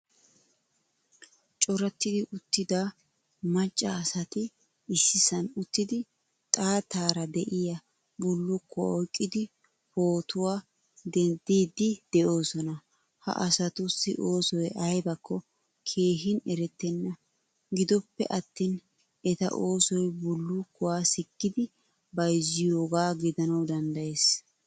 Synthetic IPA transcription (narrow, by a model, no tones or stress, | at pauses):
t͡ʃʼɔɾɐt̪ːɪd̪ɪʔʊt̪ːɪd̪aː | mɐt͡ʃʼːɐːsɐt̪ɪ | ɪsːɪsɐnʊt̪ːɪd̪ɪ | t̪ʼaːt̪aːɾɐd̪ɛʔɪjɐ | bʊlːʊkʰːɔɔjkʼːɪd̪ɪ | po̞ːt̪ʊwaː | d̪ɛnd̪iːd̪ɪd̪̥ɛʔo̞ːsɔnɐ | hɐ̰ʔɐsɐt̪ʊsːɪ̰ʔo̞ːsɔjɐjbɐkːɔ | kʰe̞ːɦɪnɛɾɛt̪ːɛnːɐ | ɡɪd̪ɔpːɛ̰ʔɐt̪ːiːn | ɛt̪ɐ̰ʔo̞ːsɔjbʊlːʊkːʊwaːsɪkːɪd̪ɪ | bɐjzɪjoːɡaːɡɪd̪ɐnɐwd̪ɐnd̪ɐjeːs